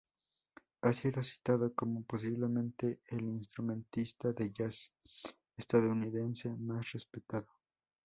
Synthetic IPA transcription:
asiðo̞si̥t̪aðoko̞mo̞po̞s̬iβle̞mẽ̞nt̪e̞ːlinst̪ɾumẽnt̪ist̪aðeʝas | est̪aðouniðe̞nse̞masrespe̞t̪aðo

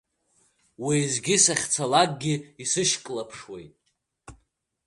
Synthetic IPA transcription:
wizɡʲɪsaχʲt͡sʰalakʼɡʲɪisɨʃkʼlapʰʂwejtʼ

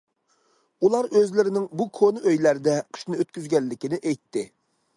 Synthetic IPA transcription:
ulˠɑɾøzlɪɾɪnɪŋbukʰonɨʔøjlæɾd̪ɛqʰɨ̥ʃnɨøt̪̚kʲyzɡʲɛlːɪkʲinɪʔɛjt̪ʰːɪ

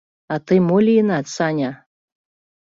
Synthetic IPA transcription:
at̪ɨmolʲiinat̪t͡sanʲa

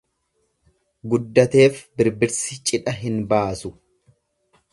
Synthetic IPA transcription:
ɡʊd̪ːɐt̪e̞ːfbɪɾbɪɾsɪt͡ʃʼɪᶑɐɦɪnbaːsʊ

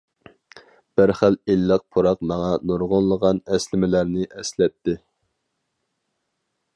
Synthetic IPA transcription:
b̥ɪɾχælelːəq̚pʰuɾɑqmɑŋɑnoɾʁonlˠəʁɑnɛslɪmɪlæɾnɪʔɛslɛt̪ʰːɪ

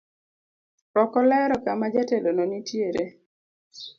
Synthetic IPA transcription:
ɾɔkɔlɛɾɔkamad͡ʒatelonɔnitjeɾe

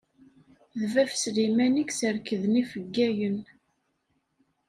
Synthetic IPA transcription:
ðəvæfslimæniksəɾkəðnifəɡːæjən

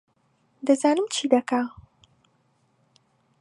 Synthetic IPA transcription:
d̪ɐzaːnɨmt͡ʃʰiːd̪ɐka

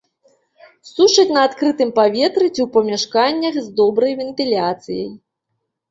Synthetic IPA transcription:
suʂɐt͡sʲnɐːt̪kɾɨt̪ɨmpavʲɛt̪ɾɨt͡sʲiuwpɐmʲaʂkanʲːɐxzd̪ɔbɾɐjvʲɛnt̪ɨlʲat̪sɨjɐ̰j

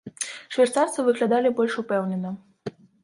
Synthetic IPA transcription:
ʂvʲɛrt̪sart̪sɐvɨɣlʲad̪alʲibɔlʲʂupɛwnʲɛnɐ

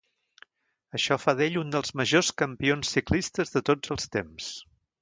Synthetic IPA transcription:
əʃɔfaðeʎund̪əlˠzməʒoskəmpionsːiklist̪əzðət̪od͡zəlˠst̪ems

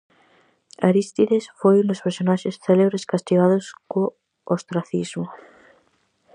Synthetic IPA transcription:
aɾist̪iðesfojund̪ospeɾsonaʃesθeleβɾeskast̪iɣ̞aðosko | ost̪ɾaθizmo

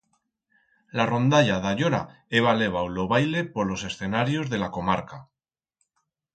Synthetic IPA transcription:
laro̞nd̪aʎaðaʎoɾa | eβale̞β̞awlo̞βajle̞po̞ɾlo̞se̞sθe̞naɾjo̞zðe̞lako̞maɾka

